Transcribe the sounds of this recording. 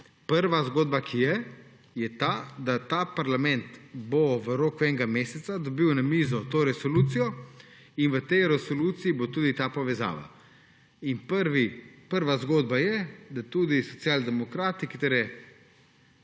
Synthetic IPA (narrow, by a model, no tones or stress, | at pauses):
pəɾʋazɡoːd̪bakʰijɛ | jɛt̪aːd̪at̪aːpaɾlamɛ̃nt̪boʋəɾoːkuɛŋɡameːsɛt̪sad̪ɔbiwnamiːzɔt̪oːɾɛsɔluːt̪sijɔ | inʋət̪ɛjɾɛsɔluːt̪siibot̪uːd̪it̪aːpɔʋɛza̰ːʋa̰ | inpəɾʋipəɾʋazɡoːd̪bajɛd̪at̪uːd̪isɔt̪siaːld̪ɛmɔkɾaːt̪ikit̪eɾɛ